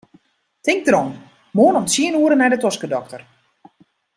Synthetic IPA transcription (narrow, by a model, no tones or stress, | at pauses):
tɪŋk̚drɔn | moːnɔmtsiənuəɾənɛjdətɔskədɔk̚tər